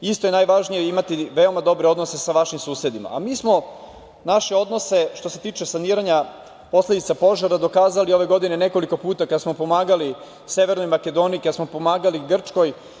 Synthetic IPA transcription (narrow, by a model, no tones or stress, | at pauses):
ist̪o̞je̞najʋaʒnijeimat̪iʋeo̞mad̪o̞bɾeo̞d̪no̞se̞saʋaʃimsuːse̞d̪ima̰a̰miːsmo̞ | naʃe̞o̞d̪no̞se̞ʃt̪o̞se̞t̪iːt͡ʃe̞saniːɾaɲa | po̞sle̞d̪it̪sapo̞ʒaɾad̪o̞kaːzalio̞ʋe̞ɡo̞d̪ine̞ne̞ko̞liko̞puːt̪akad̪asmo̞po̞maːɡali | se̞ʋe̞ɾnojmake̞d̪o̞ːniikad̪asmo̞po̞maːɡaliɡr̩t͡ʃko̞j